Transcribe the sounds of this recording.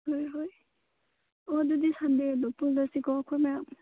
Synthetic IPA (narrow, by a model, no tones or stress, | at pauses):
hojɦoj | ɔdudisandedɔpuldasikɔkʰɔmajam